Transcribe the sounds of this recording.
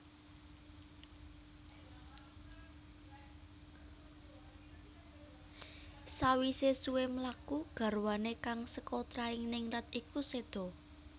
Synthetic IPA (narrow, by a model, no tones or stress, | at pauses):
sawisesuwemlakuɡ̥ä̤rwanekaŋsəkot̪ɾaɪŋnɪŋrat̪ikused̪̥ɔ̤